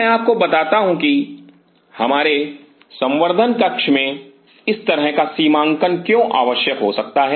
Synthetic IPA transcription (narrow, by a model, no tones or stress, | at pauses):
ɛ̃aːp̚kobɐt̪aːt̪aɦũki | hɐmaːɾe | sɐ̃mʋəɾd̪ʱənkɐkʃmẽ | ɪst̪ɐɾəɦkasiːmãːŋkənkjõʔa̰ːʋəʃjəkɦosɐk̚t̪aɦɛː